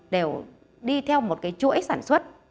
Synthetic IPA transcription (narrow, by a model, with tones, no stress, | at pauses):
ɗe˨˩w | ɗi˧t̪ʰɛ˧wmo˨˩t̚kaː˨˦jt͡ɕṵ˧˥˦jsaː˧˩nswə˦˥t̚